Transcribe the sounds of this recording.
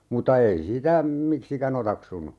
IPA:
mutɑ ei sitæ miksikæn otɑksunu

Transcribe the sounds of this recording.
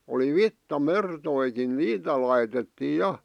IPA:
oli ʋitːɑmertoikin niːtæ lɑitetːiː jɑ

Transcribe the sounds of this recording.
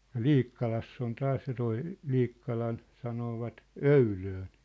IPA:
jɑ̝ liːkːɑlɑsː on tɑːs jɑ toi liːkːɑlɑn sɑnoːʋɑt øyløːn̞

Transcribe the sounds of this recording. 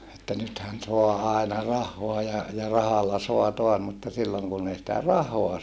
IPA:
etːæ nythæn soɑ ɑenɑ rɑhːoɑ jɑ jɑ rɑhɑlːɑ soɑ toɑs mutːɑ silːoŋ kunː ei sĭtæ rɑhoɑ

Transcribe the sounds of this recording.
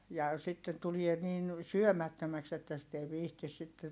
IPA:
jɑ sitːen tulie niːn syømætːømæks etːæ sit ei ʋiːhtis sitːe

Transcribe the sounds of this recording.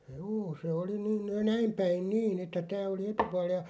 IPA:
juː se oli ni næim pæin niːn etːæ tæː oli etupuɑl jɑ

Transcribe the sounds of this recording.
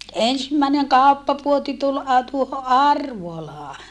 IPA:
ensimːæˑeneŋ kɑˑupːɑpuoti tul ɑ tuoho ʔɑrʋolɑː

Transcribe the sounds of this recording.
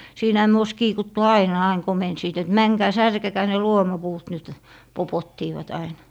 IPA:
siːnæhæ myø ois kiːkutːu ɑinɑ ɑiŋ komensiːt et mæŋkæː særkekæː ne luomɑpuːt nyt popotːiːʋɑt ɑinɑ̥

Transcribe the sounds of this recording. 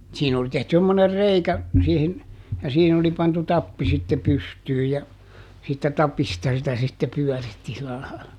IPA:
siːn oli tehty semːoner reikæ siːhin jɑ siːhin oli pɑntu tɑpːi sitːe pystyːj jɑ siːtːæ tɑpistɑ sitæ sitːe pyœˑritːi silæ lɑilɑ

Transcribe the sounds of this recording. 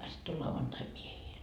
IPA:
sitː o lɑuʋɑntɑi miehiːl

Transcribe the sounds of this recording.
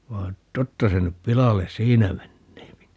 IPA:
ʋɑː totːɑ se nyp pilɑles siːnæ menːeːpi

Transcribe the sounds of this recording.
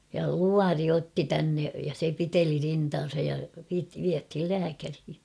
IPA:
jɑ luɑri otːi tænːe jɑ se piteli rintɑːn̞sɑj jɑ ʋit ʋiæthil læːkærhi

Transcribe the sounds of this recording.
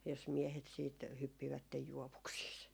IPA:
jos miehet siːt hypːiʋætːej juoʋuksiːs

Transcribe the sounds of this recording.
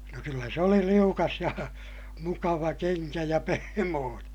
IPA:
no kylːæ se oli liukɑs jɑ mukɑʋɑ keŋkæ jɑ pehmoːneː

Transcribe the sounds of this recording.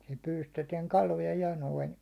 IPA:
sil pyːlystetiɛŋ kɑlojɑ jɑ noin

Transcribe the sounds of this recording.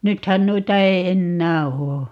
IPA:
nythæn nuitɑ ei̯ enːæː oː

